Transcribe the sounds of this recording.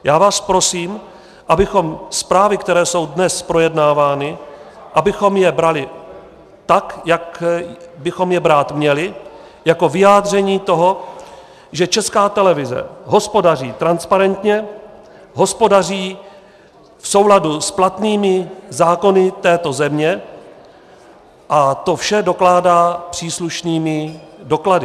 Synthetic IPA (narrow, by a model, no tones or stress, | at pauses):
jaːvaːspɾo̞siːm | ʔabɪxo̞mspɾaːvɪkt̪ɛɾɛːso̞wdnɛspɾo̞jɛdnaːvaːnɪ | ʔabɪxo̞mjɛbɾalɪ | t̪akjak | bɪxo̞mjɛbɾaːt̪mɲɛlɪ | jako̞vɪjaːd̪r̝ɛɲiːt̪o̞ɦo̞ | ʒɛt͡ʃɛskaːt̪ɛlɛvɪzɛ̰ɦo̞spo̞dar̝iːt̪ɾanspaɾɛnt̪ɲɛ | ɦo̞spo̞dariː | fso̞wladusplat̪niːmɪzaːko̞nɪt̪ɛːt̪o̞zɛmɲɛ | ʔat̪o̞fʃɛdo̞klaːdaːpr̥iːsluʃniːmɪdo̞kladɪ